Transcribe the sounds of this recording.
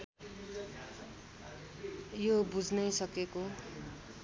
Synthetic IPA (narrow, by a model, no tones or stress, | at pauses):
jobud͡znʌjsʌkeko